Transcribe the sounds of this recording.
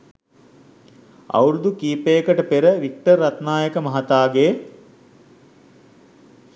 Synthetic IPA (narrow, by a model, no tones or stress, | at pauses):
ɐ̰wɾud̪ukiːpeːkəʈəpeɾəʋik̚ʈərːɐt̪naːjəkəmɐɦat̪aːɡeː